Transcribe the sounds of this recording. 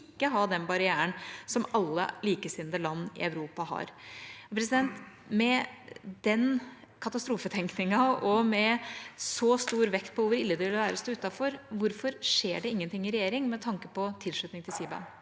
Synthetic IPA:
kːəɦɑd̪ɛnbɑɾɪæːənsɔmɑlːə̰liːkəsɪnd̪əlɑnːɪ̰œʉɾuːpɑhɑ̰ɾɔpʰɾɛs̬ɪd̪ɛnt̪ | mɛd̪ɛn | kʰɑt̪ɑst̪ɾuːfət̪ʰɛŋknɪŋɑɔmɛsɔst̪uːɾʋɛkt̪̚pʰɔʋʊɾɪlːəd̪ɛʋɪlʋæːɾəsd̪ʉːt̪ɑfɔɾʋʊɾfɔɾʂeːɖɛɪŋːənt̪ɪŋːɪɾɛjeːɾɪŋmɛt̪ʰɑŋkəpɔt̪ʰɪlʂɭʉt̪nɪŋt̪ʰɪlsiːbɑ̰n

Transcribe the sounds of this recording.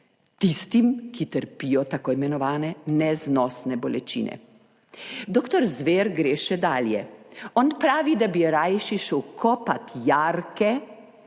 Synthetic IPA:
t̪ist̪imkit̪əɾpijɔt̪akoimɛnɔʋaːnɛnɛznɔsnɛbɔlɛt͡ʃḭːnɛ̰ | d̪oːkt̪ɔɾzʋeɾɡɾeːʃɛd̪aːljɛɔnpɾaːʋid̪abiɾajʃiʃɛwkʰɔpat̪jaɾkɛ

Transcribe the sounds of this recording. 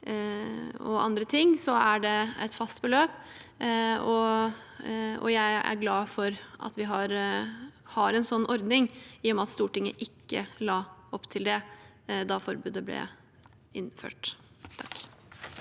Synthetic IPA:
ɔ̰ɑ̰nd̪ɾət̪ʰɪŋːsɔæɖɛɛ̰t̪fɑst̪bəløːp | ɔ | ɔ̰jæɪæ̰ɾɡlɑːfɔɾʔɑ̰t̪ʋɪɦɑɾ | hɑɾɛnsɔnːɔɾd̪nɪŋjɪɔmɑt̪st̪uːʈɪŋːəʔɪkːəlɑːɔpːt̪ʰɪld̪ɛ | d̪ɑfɔɾbʉːd̪əblɛ̰ | ɪnfø̰ːʈ | t̪ʰɑk

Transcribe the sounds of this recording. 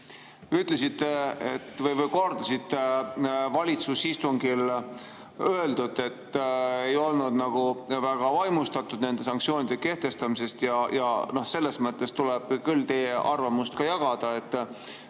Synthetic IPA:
yt̪ˑle̞s̬it̪ːeet̪ːvɤjvɤjko̞rd̪̥ɑsit̪ːevɑlʲit̪susist̪uŋɡil | ø̞e̞ld̪ud̪e̞t̪ːe̞jo̞lnud̪nɑɡ̥uvæɡ̥ɑvɑjmust̪ɑt̪ːˑud̪ne̞nd̪e̞sɑŋk̪̚sio̞ːnid̪̥e̞ke̞ht̪e̞st̪ɑmise̞st̪jɑjɑ̰no̞hse̞lːe̞smɤt̪ˑːe̞st̪uleb̥kylːt̪e̞jeʔɑrvɑmust̪kɑjɑɡ̥ɑd̪̥ɑe̞t̪ːˑ

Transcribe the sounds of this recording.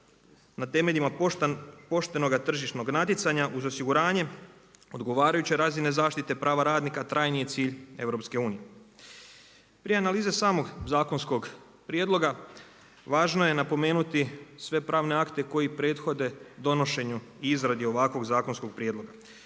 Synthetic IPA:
nat̪e̞me̞ʎima | po̞ʃt̪e̞no̞ɡat̪r̩ʒiʃno̞ɡnat̪it̪saɲaʔuzo̞siɡuɾaːɲe̞o̞d̪ɡoʋaːɾajut͡ɕeɾaːzine̞zaːʃt̪it̪e̞pɾʔaːʋaɾaːd̪nikat̪ɾajnije̞t̪siːʎe̞ʋɾo̞pske̞uːnije̞ | pɾieanaliːzesaːmo̞ɡzaːko̞nskoɡ | pɾijed̪lˠo̞ɡa | ʋaːʒno̞je̞napo̞me̞ːnut̪isʋe̞pɾaːʋne̞akt̪e̞ko̞jipɾe̞ːt̪xo̞d̪e̞d̪o̞no̞ʃe̞ɲuiizɾad̪io̞ʋakʋo̞ɡzaːkonsko̞ɡ̚pɾʲijeːd̪lˠo̞ɡa

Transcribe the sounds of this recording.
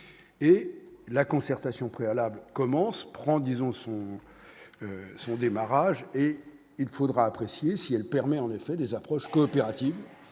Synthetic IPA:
elakɔ̃sɛʁt̪asjɔ̃pχealablkɔmɑ̃spχɑ̃d̪izɔ̃sɔ̃ | sɔ̃d̪emaʁaʒe | ilfod̪ʁaːpχesjesiɛlpɛʁmɛɑ̃nefɛd̪ezapχɔʃkɔːpeʁat̪iv

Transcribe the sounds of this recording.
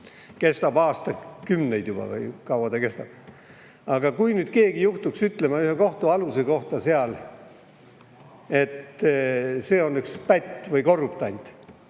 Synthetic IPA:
ke̞st̪ɑb̥ɑːst̪ɑkymnejd̪̥jub̥ɑ̰vɯ̰jkɑwɑd̪̥ɑke̞st̪ɑb̥ | ɑɡ̥ɑkujnyːd̪̥̚ke̞ːɡijuht̪uksyt̪ˑle̞mɑyheko̞ht̪uɑluse̞ko̞ht̪ɑseɑl | e̞t̪ | se̞ːo̞nːykspæt̪ʲːˑvɯjko̞rːup̚t̪ɑnʲt̪

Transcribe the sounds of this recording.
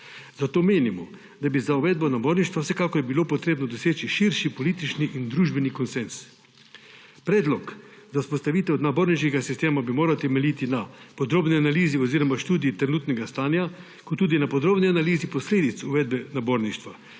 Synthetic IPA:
zat̪oːmeːnimɔ | d̪abizauʋɛd̪̚bɔnaboːɾniʃt̪ʋawsɛkakɔɾbilopɔt̪ɾeːbnɔd̪ɔseːt͡ʃiʃiɾʃipɔliːt̪it͡ʃniʔind̪ɾuːʒbɛnikɔnsɛns | pɾɛːd̪lɔk | zaspɔst̪aʋiːt̪ɛwd̪naboːɾniʃkɛɡasist̪eːmabimoːɾawt̪ɛmɛlit̪inapɔd̪ɾoːbnianaliːziɔziːɾɔmaʃt̪uːd̪iːt̪ɾɛnuːt̪nɛɡast̪aːnja | kɔt̪ːuːd̪inapɔd̪ɾoːbnianaliːzipɔsleːd̪it̪suʋɛd̪̚bɛnaboːɾniʃt̪ʋa

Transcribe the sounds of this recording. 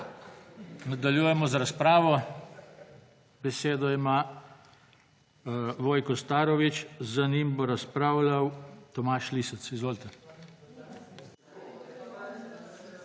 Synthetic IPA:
nad̪aljuːjɛmɔzɾaspɾaːʋɔ | bɛseːd̪ɔima | ʋoːjkɔst̪aːɾɔʋit͡ʃzanimbɔɾaspɾaːwlawt̪ɔmaːʃliːsət̪sizʋoːlt̪ɛ

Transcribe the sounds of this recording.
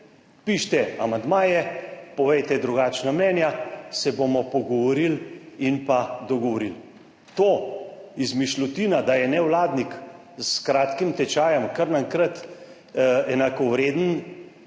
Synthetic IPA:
piʃt̪ɛa̰mand̪maːjɛpɔʋɛjt̪ɛd̪ɾuɡaːt͡ʃnamnɛnjasɛbomɔpɔɡɔʋɔɾilinpad̪ɔɡɔʋɔɾil | t̪oːizmiʃlɔt̪iːnad̪ajɛnɛwlaːd̪nik | skɾaːt̪kimt̪ɛt͡ʃaːjɛmkəɾnaŋkɾət̪ | ɛnakɔwɾeːd̪ən

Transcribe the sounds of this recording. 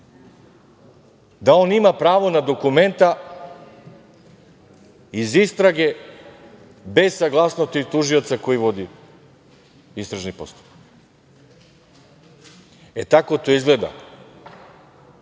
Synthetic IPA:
d̪ao̞nimapɾaːʋo̞nad̪o̞kume̞nt̪a | izist̪ɾaɡe̞ | be̞zsaɡlˠasnost̪it̪uʒiot̪sako̞jiʋo̞d̪i | ist̪ɾaʒnipo̞st̪o̥p | et̪ako̞t̪o̞izɡled̪a̰

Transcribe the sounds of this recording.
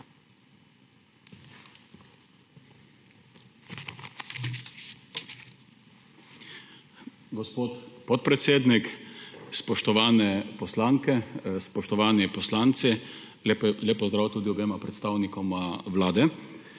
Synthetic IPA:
ɡɔspoːt̪pɔt̪̚pɾɛt̪seːd̪nikspɔʃt̪ɔʋaːnɛpɔslaːŋkɛspɔʃt̪ɔʋaːnipɔslaːnt̪si | plʲeːpɔzd̪ɾaːwt̪uːd̪iɔbeːmapɾɛt̪st̪awnikɔmaʋlaːd̪ɛ

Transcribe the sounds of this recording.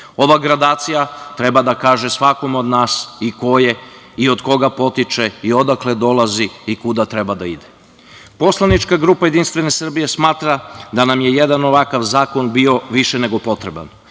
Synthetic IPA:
o̞ʋaɡɾad̪aːt̪sijat̪ɾe̞bad̪akaːʒe̞sʋako̞mo̞d̪naːsiko̞je̞ | io̞d̪ko̞ɡapo̞t̪it͡ʃe̞io̞d̪akle̞d̪o̞lˠaziikud̪at̪ɾe̞bad̪aid̪e̥ | po̞slˠanit͡ʃkaɡɾuːpaje̞d̪inst̪vʋe̞ne̞sr̩bije̞smaːt̪ɾad̪anamje̞je̞d̪ano̞ʋakaʋzaːko̞nbio̞ʋiʃene̞ɡo̞po̞t̪ɾe̞ba̰n

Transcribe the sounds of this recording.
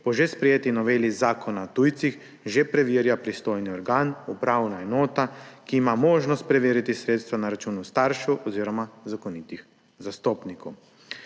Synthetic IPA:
pɔʒespɾɛjeːt̪inɔʋeːlizaːkʰɔnaɔt̪ujt̪six | ʒepɾɛʋiːɾjapɾist̪ojniɔɾɡaːnupɾawnaɛnoːt̪akiːmamoːʒnɔst̪̚pɾɛʋiːɾit̪isɾeːt̪st̪ʋanaɾat͡ʃuːnust̪aɾʃɛʔɔziːɾɔmazakonit̪ix | zast̪oːpnikow

